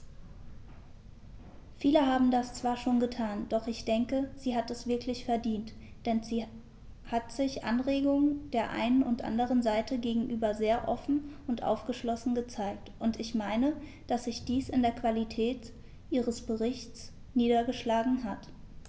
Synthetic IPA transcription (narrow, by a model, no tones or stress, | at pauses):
fiːləɦaːbm̩dast͡sv̥aːɐʃoːnɡətʰaːnd̥ɔχɪçd̥ɛŋkəz̥iːɦatɛsv̥ɪɐklɪçfɛɐdiːnt | d̥ɛnziː | hatz̥ɪçʔa̰nʁeːɡʊŋd̥eːɐʔa̰ɪnənʊntʔa̰ndəʁ̞ənzaɪtʰəɡeːɡŋ̩ʔyːbɐzeːɐʔɔfn̩ʊntʔa̰ʊfɡ̥əʃlɔsn̩ɡət͡saɪk̚tʔʊntɪçmaɪnə | d̥asz̥ɪçd̥iːsɪndeːɐkv̥alitʰɛːt | ʔiːʁ̞əsb̥əʁɪçtt͡s | niːdɐɡəʃlaːɡŋ̩ɦat